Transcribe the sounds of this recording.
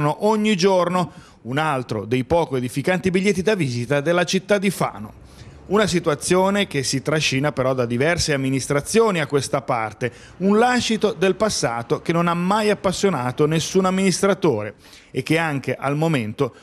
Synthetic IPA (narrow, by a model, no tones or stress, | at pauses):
noʔoɲːid͡ʒorno | unalt̪ɾod̪ejpɔːkoed̪ifikant̪ibiʎːet̪ːid̪aviːzit̪ad̪elːat͡ʃit̪ːad̪ːifa̰ːno̰ | unasit̪uat̪sːjoːnek̟esːit̪ɾaʃːiːnapeɾɔd̪ad̪ivɛrseamːinist̪ɾat̪sːjoːniakːwest̪apart̪e | unlaʃːit̪od̪elpasːaːt̪okenːonamːajapːasːjonaːt̪onesːunamːinist̪ɾat̪oːɾe | ekːeaŋk̟eʔalmoment̪o